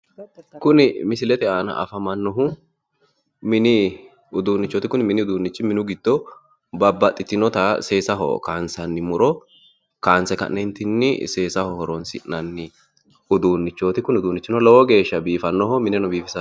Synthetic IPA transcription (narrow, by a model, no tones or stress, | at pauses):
kʊnɪmɪsɪlɛt̪ɛaːnɐ̰ʔɐ̰fɐmɐnːɔɦʊ | mɪnɪ | ʊd̪uːnːɪt͡ʃːɔːt̪ɪkʊnmɪnɪʊd̪uːnːɪt͡ʃːɪmɪnʊɡɪd̪̥ːɔ | bɐbːɐt̪ʼːɪt̪ːɪnɔt̪ɐse̞ːsɐɦɔ̰kaːnsɐnːɪmʊɾɔ | kaːnsɛkɐ̰nːɛnt̪ɪnːɪ̰se̞ːsɐhɔhɔɾɔnsɪ̰ʔnɐnːɪ | ʊd̪uːnːɪt͡ʃːoːt̪ɪkʊnʊd̪uːnːɪt͡ʃːɪnɔlɔwɔɡe̞ːʃːɐbiːfɐnːɔhɔmɪnɛnɔbiːfɪsɐ